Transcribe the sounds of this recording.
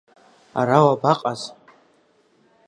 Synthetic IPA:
a̰ɾawabaqʼaz

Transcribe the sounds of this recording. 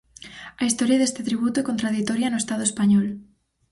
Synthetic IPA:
ɐist̪ɔɾjaðest̪ɪt̪ɾiβ̞ut̪ʊɛkont̪ɾaðit̪ɔɾjɐnoest̪aðʊespaɲɔl

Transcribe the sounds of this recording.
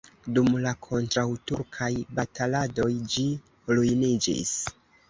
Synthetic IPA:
dumlakʰo̞ntɾawtuɾkʰajbatalado̞jd͡ʒi | lujnid͡ʒḭs

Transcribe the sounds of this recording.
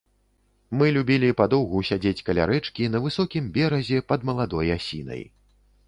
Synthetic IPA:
mɨlʲubʲilʲipad̪ɔwɣusʲad͡zʲet͡sʲkɐlʲa̰ɾɛt͡ʂkʲinɐvɨsɔkʲimbʲɛɾɐzʲɛpɐd̪mɐlˠad̪ɔjasʲḭnɐ̰j

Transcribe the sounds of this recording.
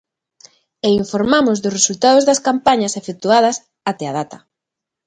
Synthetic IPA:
eiɱfoɾmamʊzðʊsresult̪aðozðɐskampaɲɐsefek̚t̪uað̞ɐs | at̪eað̞at̪ɐ

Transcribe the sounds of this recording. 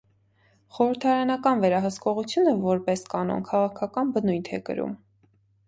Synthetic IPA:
χɔɾəɾt̪ʰɑɾɑnɑkɑnvɛɾɑɦəskɔʁut͡sʰjunəvɔɾpɛskɑnɔ̰nkʰɑʁɑkʰɑkɑnbənuj̪t̪ʰɛ̰kə̰ɾṵm

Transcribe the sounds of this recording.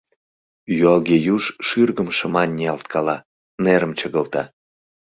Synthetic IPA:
juɑlɣejuʃʃyrɣəmʃə̆mɑnʲːiɑlt̪̚kʰɑlɑ | neɾəmt͡ɕəɣə̆lt̪ɑ

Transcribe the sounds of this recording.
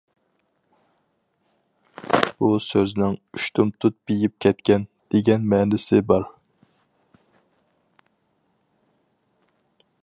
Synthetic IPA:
b̥usøznɪŋyʃt̪ʰumt̪ʰut̪̚b̥ejip̚kʲʰɛt̪kʲɛnd̪̥eɡʲɛnmɛnɪsɪbɑɾ

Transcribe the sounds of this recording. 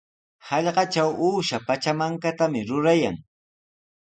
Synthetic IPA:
hɑʎɢɑt͡ʃawuːʃapat͡ʃamaŋkat̪amɪɾʊɾaja̰ŋ

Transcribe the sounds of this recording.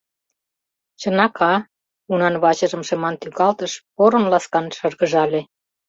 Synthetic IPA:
t͡ɕə̆nɑkɑ | unɑnβɑt͡ɕəʒə̆mʃemɑnt̪yɣɑlt̪əʃpoɾə̆nlɑskɑnʃɤrɣəʒɑlʲe

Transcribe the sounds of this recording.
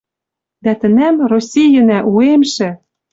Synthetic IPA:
d̪æt̪ɘ̆næmrosʲijə̆næʔuemʃĕ

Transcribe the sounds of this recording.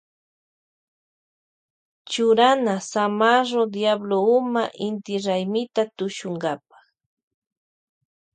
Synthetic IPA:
t͡ʃʊɾanasamaɾod̪jabloʊmaʔɪnt̪ɪɾajmɪt̪at̪ʊʃʊŋɢɑpḁχ

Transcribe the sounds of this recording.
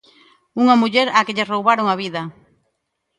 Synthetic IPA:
uŋamuʎɛɾakɪʎɪrowβaɾoŋaβ̞iðɐ

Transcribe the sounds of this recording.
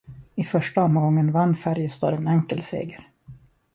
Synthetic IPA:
ɪfœʂʈaɔmɡɔŋːənvanːfæɾjəst̪ɔːɾɛnɛŋkəlsḛːɡəɾ

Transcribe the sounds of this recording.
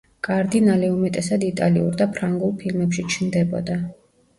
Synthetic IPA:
kʼaɾd̪inalɛumɛt̪ʼɛsad̪it̪ʼaliṵɾd̪apʰɾaŋɡulˠpʰilmɛpʃit͡ʃʰnd̪ɛbɔ̰d̪a

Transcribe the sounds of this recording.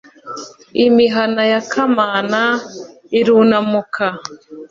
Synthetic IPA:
imiɦanajakʰamaːna | iɾuːnamukʰa

